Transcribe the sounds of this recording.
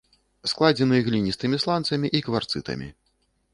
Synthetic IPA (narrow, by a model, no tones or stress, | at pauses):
sklˠad͡zʲɛnɨjɐɣlʲinʲist̪ɨmʲislˠant̪sɐmʲiʔikvart̪sɨt̪ɐ̰mʲḭ